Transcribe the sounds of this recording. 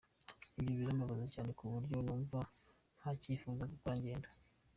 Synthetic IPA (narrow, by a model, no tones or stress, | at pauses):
ibjoβiɾambaβazecaːne̞kuβuɾɟonuːva | hacifuːzakukoɾaɲɟe̞ːndḁ